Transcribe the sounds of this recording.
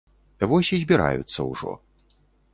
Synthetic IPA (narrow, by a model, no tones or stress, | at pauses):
ivɔsʲizʲbʲiɾa̰jṵt̪sːɐwʐɔ̰